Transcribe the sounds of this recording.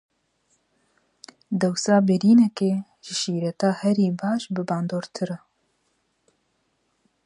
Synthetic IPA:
d̪ɛwsɑːbɪɾiːnɛkeː | ʒɪʃiːɾɛt̪ɑːhɛɾiːbɑːʃbɨbɑːnd̪oːɾt̪ʰɨɾɛ

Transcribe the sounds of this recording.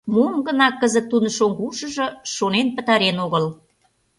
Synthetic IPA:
mumɡənɑkːəzə̆t̪ːunəʃoŋɡuʃə̆ʒɤ̆ʃonenpə̆t̪ɑɾenoɣəl

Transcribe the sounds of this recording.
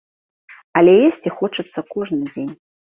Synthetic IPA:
ɐlʲɛjesʲt͡sʲixɔt͡ʂɨt̪sːɐkɔʐnɨd͡zʲenʲ

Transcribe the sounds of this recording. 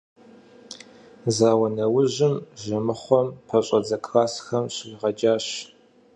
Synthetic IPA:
zaːwɐnɐwʊʑɪmʒɐmɨχʷɔmpʰɐɕʼɐd͡zɐkʰʼraːsxɐmɕɪriʁɐd͡ʒaːɕ

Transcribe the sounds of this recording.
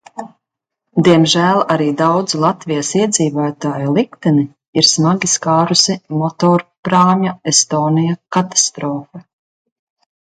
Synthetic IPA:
d̪iɛmʒæːlˠaɾiːd̪awd̪zlˠat̪vijasiɛd̪ziːvoːt̪aːjulˠikt̪ɛni | iɾsmaɡʲiskaːɾusimɔt̪ɔːɾpɾaːɲaest̪oːnijakat̪ḁst̪ɾɔːfa

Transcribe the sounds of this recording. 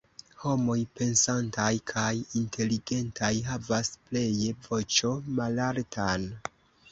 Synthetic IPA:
ho̞mo̞jpe̞nsantajkʰajintʰe̞liɡe̞ntajɦavasple̞jevo̞t͡ʃo̞malaɾtʰan

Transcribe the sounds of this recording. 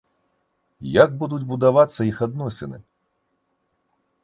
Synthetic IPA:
jaɡ̚bud̪ud͡zʲbud̪avat̪sːɐixad̪nɔsʲɛnɨ̰

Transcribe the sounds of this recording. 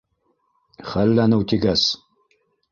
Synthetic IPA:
χɐlːanɐwt̪ʰiɡas

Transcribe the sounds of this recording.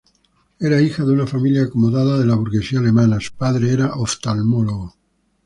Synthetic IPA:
eɾaixaðeunafamiljaːkomoðaðaðelaβuɾɣe̞siaːlemanasu̥paðɾeeɾaʔoft̪almoloɣo

